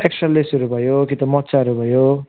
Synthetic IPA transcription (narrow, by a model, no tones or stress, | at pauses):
eksʌnlesuɾubʱʌjokit̪ʌmʌt̪ːsaɾubʱʌjo